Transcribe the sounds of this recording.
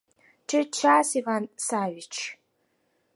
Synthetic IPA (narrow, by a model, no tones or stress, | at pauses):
ʈ͡ʂʰɨt͡ʃʰaːsivansaːɥɪt͡ʃʰ